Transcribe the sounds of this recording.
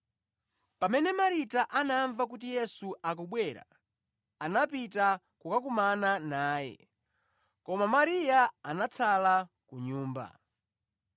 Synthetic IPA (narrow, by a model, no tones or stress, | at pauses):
pamɛnɛmaɾitaʔanaɱvak̬ut̬ijɛsuʔakuɓwɛɾa̰ | anapita | kukakumananaːjɛ̰ | kɔmamaɾijaanat͡sʰala | kuɲuːmba̰